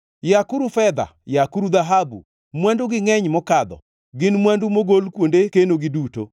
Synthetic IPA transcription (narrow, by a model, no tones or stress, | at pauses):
jakuɾufɛd̪a̰jakuɾud̪aɦabṵ | mwanduɡɪŋɛɲmɔkad̪ɔ̰ | ɡɪnmwandumoɡolkwondekenoɡɪduto